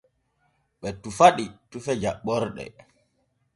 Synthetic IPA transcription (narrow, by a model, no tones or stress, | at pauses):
ɓɛtufaɗitufɛd͡ʒaɓɔɾɗɛ̰